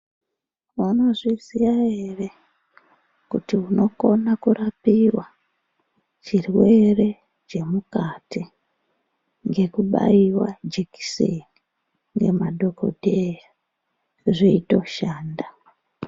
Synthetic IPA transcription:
uno̞ʐizijae̞re̞ | kutiuno̞ko̞nakuɾapiwa | t͡ʃirwe̞re̞ | t͡ʃe̞mukati | ŋɡe̞kuɓa̰iwa̰d͡ʒeki̥sḛni | ŋɡe̞̰madʱo̞ko̞̰dʱeja | ʐiito̞ʃaːnda

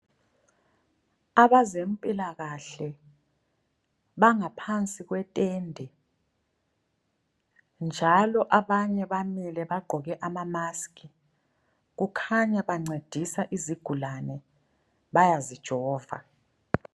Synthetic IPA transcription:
aβazem̩pʼilaɣaɬɛ | βaŋapʰant͡sʼiɣwɛtʼɛːndʱɛ | nd͡ʒʱalɔʔaβaɲɛβamilɛβaɡ͡ǃʱɔɣɛʔamamaskʼi | ɣ̬ukʰaɲaβaŋ͡ǀed̥ʱisaʔiziɡ̥ʱulanɛ | βajazid̥ʒ̥ʱɔːva̰

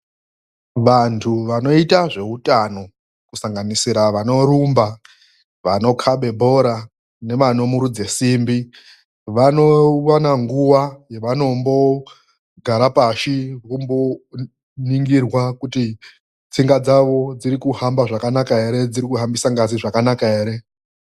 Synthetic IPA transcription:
ʋantʰuʋano̞itaʐe̞utano̞ | kusaŋɡanisiɾaʋano̞ɾumba | ʋano̞kʰaɓe̞bʱo̞ɾa | ne̞manomuɾud͡ze̞simbi | ʋano̞wanaŋɡuwajeʋano̞mbo̞ | ɡʱaɾapaʃikumbo | niŋɡirwakuti | t͡siŋɡad͡zaʋo̞d͡ziɾikuhambaʐakanakae̞ɾe̞d͡ziɾikuɦambisaŋɡaziʐakanakae̞ːɾe̞

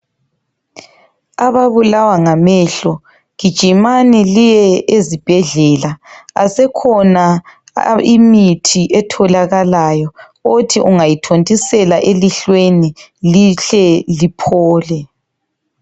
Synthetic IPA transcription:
aβaβulawaŋamɛɬɔ | ɣid̥ʒ̥ʱimanɛlijɛʔezib̥ʱɛɮɛlaasɛkʰɔna | imitʰiʔɛtʰɔlaɣalajɔ | otʰiʔuŋajitʰontʼisɛlaʔeliɬweniliɬɛlipʰɔːlɛ

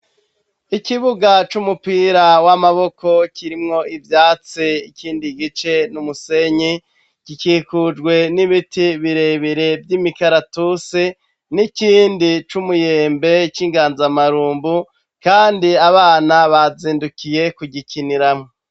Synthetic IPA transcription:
ikiβuɡat͡ʃumupiːɾawamaβo̞ko̞cʰiɾimŋo̞ʔivjaːt͡siikiːndiɡit͡ʃe̞numuse̞ɲi | ɡ̥ikiːkud͡ʒɡwe̞niβitiβiɾe̞βiɾe̞vjimikaɾatuse | niciːndit͡ʃumujeːmbe̞t͡ʃiːŋɡaːnzamaɾuːmbu | kaːndiaβaːnaβaziːndukije̞kuɟikiniɾamŋo

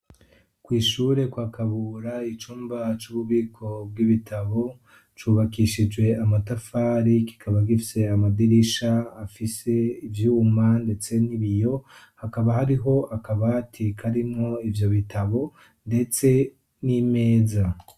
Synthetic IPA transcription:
kwiːʃuːɾe̞kwakaβuɾait͡ʃuːmbat͡ʃuβuβiːkʰo̞b̚ɡiβitʰaβo̞ | t͡ʃuːβakiʃid͡ʒɡwe̞amatafaːɾiki̥kʰaβaɡifi̥se̞amadiɾiʃaːfise̞ivjuːmande̞t͡se̞niβijo̞ | hakaβahaɾiɦo̞akaβatʰikʰaɾimŋo̞ivjo̞βitaβo̞ | nde̞t͡se̞ | nime̞ːza

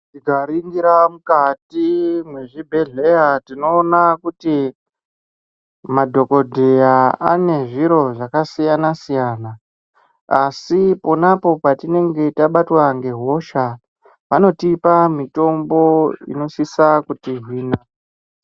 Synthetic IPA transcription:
tiɡʱaɾiŋɡiɾamukatimwe̞ʐibʱe̞ɮe̞jatino̞ːnakuti | madʱo̞ko̞dʱe̞jaa̰ne̞ʐiɾo̞ʐakasijanasijaːna | asipo̞napo̞patine̞ŋɡe̞taɓatwaŋɡe̞ɦo̞ʃa | pano̞tipamito̞mbo̞ḭno̞sisakutiɦwiːna

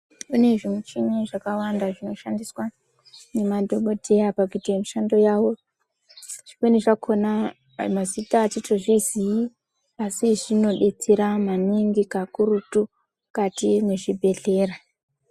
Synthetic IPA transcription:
une̞ʐimwet͡ʃiɲeʐakawandaʐino̞ʃandiswa | ne̞madʱo̞ɓo̞dʱe̞japakitiemiʃando̞jawo̞ | ʐ̥ikweneʐakʰona | mazitaːt͡ʃitoʐizii | asiʐino̞ɗe̞t͡seɾamaneŋɡikakuɾutu | katimeʐibʱe̞ɮe̞ːra

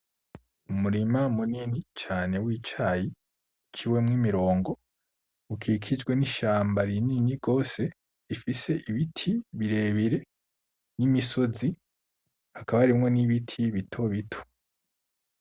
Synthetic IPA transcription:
umuɾimamuninit͡ʃaːne̞wit͡ʃaːji | ut͡ʃiwe̞mŋimiɾo̞ːŋɡo̞ | ukʰikʰid͡ʒɡwe̞niʃaːmbaɾininiɡo̞ːse̞ | ɾifise̞ʔiβitʰiβiɾe̞ːβiɾe̞ | nimiso̞zi | hakaβaaɾimŋo̞niβitʰiβitʰo̞βitʰo̥

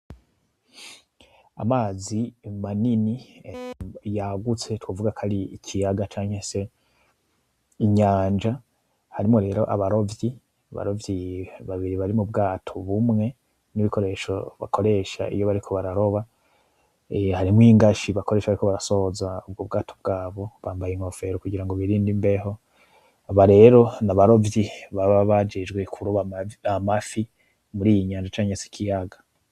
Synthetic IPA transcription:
amaːzimanini | jaɡut͡se̞twovuɡakʰaɾiicʰijaɡat͡ʃaːŋhese̞ | iɲaːnd͡ʒa | haɾimo̞ɾe̞ːɾo̞̰ʔaβaɾo̞vji | aβa̰ɾo̞vjiβaβiɾiβaɾimubɡaːtʰo̞βumŋe̞ | niβiko̞ɾe̞ːʃo̞̰βa̰kʰo̞ɾe̞ʃa̰ʔḭjoβaɾikʰo̞βaɾaɾo̞βa | haɾimŋiːŋɡaʃiβakoɾe̞ːʃaβaɾiko̞βaɾaso̞hzaub̚ɡobɡaːtʰob̚ɡaːβo̞βaːmbajenofe̞ɾokuɟiɾaŋɡoβiɾiːndimbe̞ho̞ | aβaɾe̞ɾo̞naβaɾo̞vjiβaβaβad͡ʒed͡ʒɡwe̞kʰuɾoβaamafi | muɾijiɲaːnd͡ʒat͡ʃaːɲesi̥kʰijaɡḁ

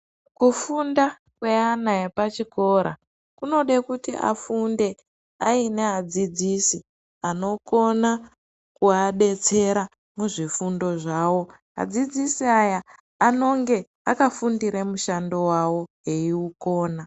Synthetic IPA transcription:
kufunda | kwe̞anajepat͡ʃiko̞ɾa | kuno̞ɗekutḭʔa̰funde̞ | aine̞ad͡zid͡zisi | ano̞ko̞na | kuaɓe̞t͡se̞ɾa | muʐifundo̞ʐaːwo̞ | ɦa̰d͡zid͡zisiajaː | no̞ŋɡe̞ | akafundiɾemuʃando̞wawo̞ɦe̞iuko̞ːna

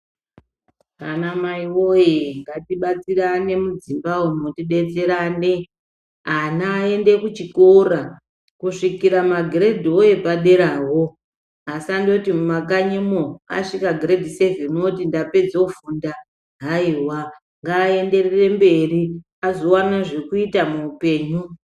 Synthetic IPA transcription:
kanamaiwo̞jeŋɡatiɓat͡sirane̞mud͡zimbawonotiɗe̞t͡se̞ɾane | anae̞nde̞kut͡ʃikora | kuʂikiɾamaɡʱire̞dʱioje̞paɗe̞ɾaːɦo | asando̞timumakaɲemoa̰ʂikaɡʱredʱisevenotindape̞d͡zofunda | ɦaiwa | ŋɡaːe̞nde̞rere̞mbe̞ri | azo̞wanaʐekuitamuːpe̞ːɲu

